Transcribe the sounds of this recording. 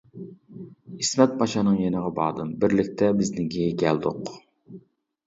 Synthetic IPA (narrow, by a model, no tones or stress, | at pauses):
hismɛt̪̚pʰɑt͡ʃʰɑnɨŋjenəʁɑbɑ̰ːd̪ɨmbɪɾlɪk̚ʲt̪ʰɛbɪznɪɡʲiɡʲɛld̪ʊq